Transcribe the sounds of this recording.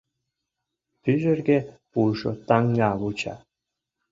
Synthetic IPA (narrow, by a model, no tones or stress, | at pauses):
pyʒɘ̆rɡʲe | pulʃo̰t̪ɑŋɡɑβut͡ɕɑ̰